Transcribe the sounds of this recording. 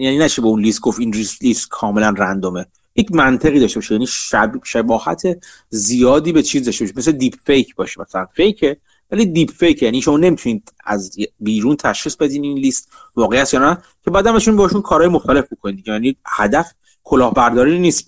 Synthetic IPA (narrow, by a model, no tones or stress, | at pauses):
jæniːnæʃʰibeunlist̪̚ɡofinlist̪liːst̪̚kʰɒːme̞lænrænd̪ome | jecʰmænt̪ʰe̞ɣiːd̪ɒʃtebɒʃijæːniæbʃebɒːhæ̰t̪ʰe | zijɒːd̪iːbet͡ʃʰiːzd̪ɒʃt̪eɔʃimesed̪iːbfejkʰbɒːʃi̥mæsælænfejcʰe | væliːd̪ipfejcʰjæːniʃo̞mɒːne̞mit̪ʰuniːd̪æ̰zbiːɾuːnt̪ʰæʃχiːsbe̞d̪iːninliːst̪ | vɒːɣejæt̪jɒːnæ | cʰebjæd̪æmbeʃunbehɑʃunkʰɒːɾɒːjemoxt̪æle̞fbokʰoniːd̪iɟejænihæd̪æf | kʰo̞lɒːhbæɾd̪ɒːɾiniːst̪